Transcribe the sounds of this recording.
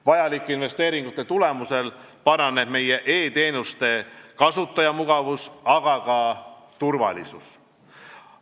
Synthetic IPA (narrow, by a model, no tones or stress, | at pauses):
vɑjɑlikːˑinve̞st̪e̞ːɾiŋɡ̥ut̪ːˑe̞t̪ule̞muse̞lpɑɾɑneb̥me̞je̞ʔe̞ːt̪e̞ːnust̪e̞kɑsut̪ːˑɑjɑmuɡ̥ɑvusɑɡ̥ɑkɑ | t̪urvɑ̰lisus